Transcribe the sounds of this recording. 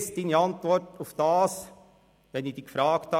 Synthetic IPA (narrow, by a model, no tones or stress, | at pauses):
st̚d̥iːniɑntʋɔɾtʊfd̥ɑːs | ʋɛnid̥iːkfɾɑːkthɑ